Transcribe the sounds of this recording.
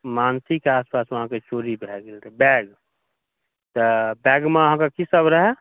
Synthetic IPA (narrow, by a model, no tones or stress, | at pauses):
maːnsikːeaːspaːsʋɐɦãket͡ʃoːɾibʱɛɡelt̪ʰebɛːɡ | t̪əbɛːɡmẽəɦãkakisəbɾəɦɛ